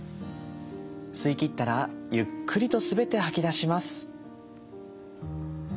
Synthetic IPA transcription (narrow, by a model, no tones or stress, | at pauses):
sɨikʲit̪ːaɾajɯ̟kʰːɯ̟ɾʲit̪o̞sɨbe̞t̪e̞hakʲid̪aɕimasɨ̥